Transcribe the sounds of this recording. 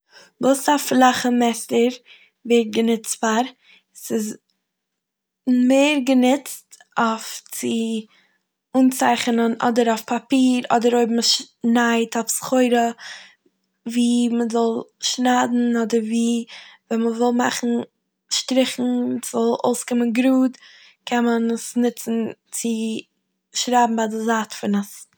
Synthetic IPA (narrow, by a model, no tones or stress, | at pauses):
boːsaflaχəmɛsəɾ | vet̚ɡənɪt͡stfaɾ | sɪz | meɪɾɡənɪt͡st | oft͡sɪ | uːnt͡saɪχənənɔ̰dəɾofpʰapiːɾɔ̰dəɾoɪbm̩ʃ | naɪtʰɔfsχoɪɾə | viːməzɔlˠʃnaːdn̩ɔdəɾviːvɛnməvɪlˠma̰χn̩ | ʃtɾɪχn̩sz̥ɔlˠo̰ʊskɪmənɡɾuːd | kʰɛnmanəsnɪt͡sn̩t͡sɪ | ʃɾaːbm̩badɪzaːtfɪnəs